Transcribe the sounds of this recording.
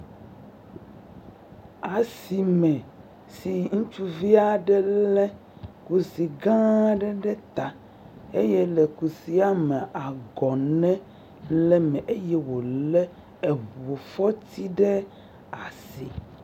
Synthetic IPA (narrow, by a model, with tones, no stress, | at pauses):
a˨si˨mɛ̃˨ | si˨ŋũ˦t͡ʃu˦vi˦a˦ɖɛ˦lɛ˦ | ku˦si˨ɡã˦ɖɛ˦ɖɛ˦t̪a˨ | e˦jɛ˦lɛ˨ku˨si˦a˦mɛ˨ʔa˨ɡɔ˨nɛ̃˦ | lɛ˦mɛ̃˨ʔe˦jɛ˦wo˨lɛ˦ | ɛ˨βo˨fɔ˦t̪i˦ɖɛ˦ | a˨si˨